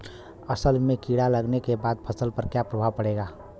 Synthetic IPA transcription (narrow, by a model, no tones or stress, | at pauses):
əsəlmẽkiːɽaləɡnekebaːd̪̚pʰəsəlpəɾkjapɾəbʱaʋpəɽeːɡaː